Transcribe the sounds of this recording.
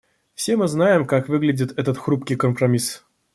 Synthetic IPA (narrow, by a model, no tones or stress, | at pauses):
fsʲe̞mɨznajɪmkakvɨɡlʲɪdʲɪt̪ɛt̪ət̪xɾupkʲijkəmpɾɐmʲis